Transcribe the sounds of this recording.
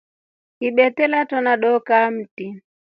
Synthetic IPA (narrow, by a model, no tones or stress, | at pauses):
iɓɛtɛlatɔnaɗɔkam̩ti